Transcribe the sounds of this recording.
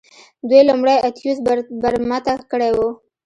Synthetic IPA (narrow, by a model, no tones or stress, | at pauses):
d̪wujlʊmɽajat̪jusbaɾmat̪akəɽewu